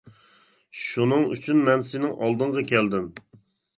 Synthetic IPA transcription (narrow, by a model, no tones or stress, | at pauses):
ʃunɨŋy̰t͡ʃʰynmɛnsɪnɪŋʔɑlˠd̪ɨɴʁɑkʲʰɛld̪ɪm